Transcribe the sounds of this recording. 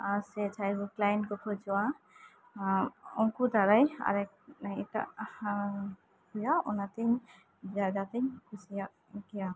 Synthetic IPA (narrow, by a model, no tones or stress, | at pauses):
asɛd͡ʒʰajbuklajnkɔkʰɔd͡ʒɔwa | ɔŋkud̪aɾaja̰ɾɛ | iʈa̰ʔ | kujaɔnat̪ɛɲ | bad̪at̪ɛɲkʰusijaʔ | kɛja